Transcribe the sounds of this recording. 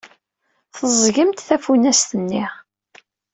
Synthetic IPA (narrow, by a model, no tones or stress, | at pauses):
θəzˤʝəmt̪θæfunæst̪ənːiʁ